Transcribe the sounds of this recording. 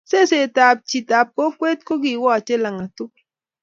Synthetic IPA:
sɛ˦se˨ta˨p̚t͡ʃi˨ta˨p̚ko˦kwɛ˦tko˦ɡi˨wɔ˦a˨t͡ʃɛ˦la˨ŋa˨tu˦

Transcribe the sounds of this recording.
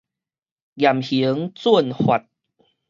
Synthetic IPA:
ɡja˨˩mhi˨˦ŋt͡su˥˧˨nhwa˨˩t̚

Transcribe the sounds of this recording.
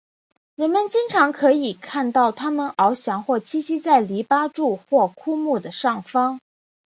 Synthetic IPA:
ɻə˧˥nmə˨nt͡ɕi˥ŋʈ͡ʂʰɑ˧˥ŋkʰɤ˧˥i˨˩kʰa˥˧nt̪ɑ˥˩ʊt̪ʰa˥mə˨nɑ˧˥ʊɕjɑ˧˥ŋxwɔ˥˩t͡ɕʰi˥˩ɕi˥t͡sa˥˩ɪli˧˥pa˥ʈ͡ʂu˥˧xwɔ˥˩kʰu˥mu˥˩d̪ə˩ʂɑ˥˩ŋfɑ˥ŋ

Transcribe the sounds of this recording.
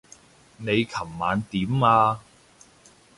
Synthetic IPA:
ne˨˧jkʰɐ˨˩mːaː˨˧nt̪iː˨˥maː˧

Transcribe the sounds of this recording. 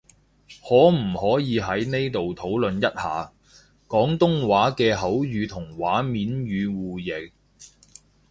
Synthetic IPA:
hɔː˨˥m̩˨˩hɔː˨˥jiː˨˧ɦɐ˨˥jne˥jt̪o˨wt̪ʰo˨˥wlɵ˨njɐ˥t̚ha̰ː˨ | kɔː˨˥ŋt̪ʊ˥ŋwaː˨˥kɛː˧ɦɐ˨˥wjyː˨˧t̪ʰʊ˨˩ŋwaː˨˥miː˨˥nɥyː˨˧wuː˨jɪ˨˩k̚

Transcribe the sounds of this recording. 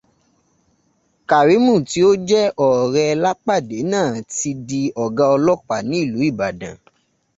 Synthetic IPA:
ka˨ɾi˨˦mũ˦˨ti˨˦o˦d͡ʒɛ˦ʔɔ˨ɾɛ˧la˦k͡pa˦˨de˨˦nãː˦˨ti˧di˧ɔ˨ɡã˧ɔ˧lɔ˦k͡pa˨nĩ˦i˦˨lu˨˦i˦˨ba˨dã̰˨

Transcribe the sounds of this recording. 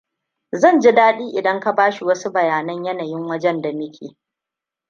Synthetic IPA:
zɐ˦˨nd͡ʒi˦daː˦ɗiː˦ʔɪ˨dɐ˦ŋka˦baː˦ʃi˨wɐ˦su˦bɐ˨jaː˨nɐ˦ɲjɐ˦na˨jɪ˦ŋwɐ˦d͡ʒɛ˦nda˨mɪ˦kʲʰḛː˨

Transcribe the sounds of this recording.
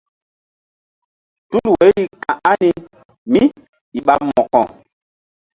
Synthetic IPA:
tu˦lwe˨˦li˨kã˨ʔa˦ni˦ | mi˦ | i˨ɓa˦mɔ˨kɔ̰̃˨

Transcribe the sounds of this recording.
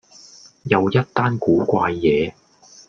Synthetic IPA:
jɐ˨˧wjɐ˥t̚t̪aː˥nkuː˨˥kʷaː˧jːɛː˨˧

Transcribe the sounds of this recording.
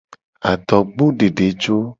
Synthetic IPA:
a˨t̪ɔ˨ɡ͡bo˦ɖe˨ɖe˨˦t͡ʃo˦

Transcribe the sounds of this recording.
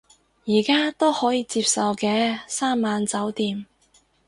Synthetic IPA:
jiː˨˩kaː˥t̪o˥whɔː˨˥jiː˧t͡siː˧p̚sɐ˨wkɛː˧saː˥mːaː˨˧nt͡sɐ˨˥wt̪iː˧m

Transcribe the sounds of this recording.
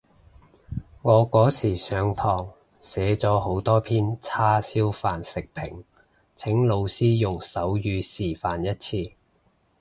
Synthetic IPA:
ŋɔː˨˧kɔː˨˥siː˨˩sœː˨˧ŋt̪ʰɔː˨˩ŋ | sɛː˨˥t͡sɔː˨˥ho˨˧˥wt̪ɔː˥pʰiː˥nt͡sʰaː˥siː˥wfaː˨nsɪ˨k̚pʰɪ̰˨˩ŋ | t͡sʰɪ˨˥ŋlo˨˧wsiː˥jʊ˨ŋsɐ˨˥wjyː˨˧siː˨˩faː˨njɐ˥t̚t͡sʰiː˧

